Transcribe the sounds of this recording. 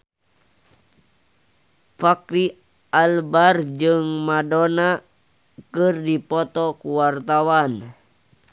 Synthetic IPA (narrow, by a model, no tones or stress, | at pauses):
fakɾi | ʔalbard͡ʒɨŋmadona | kɨrdipɔt̪ɔkuwart̪awan